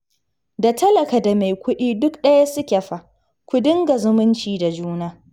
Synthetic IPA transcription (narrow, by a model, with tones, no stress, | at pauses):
da˨tɐ˦lɐ˨ka˨da˨ma˨jkʷʊ˦ɗiː˦dʊ˦kɗɐ˦ja˦sʊ˦kʲe˨ɸa˦ | kʷʊ˨dɪ˦ŋɡa˨zʊ˦mʊ˦nt͡ʃiː˨da˨d͡ʒuː˦naː˦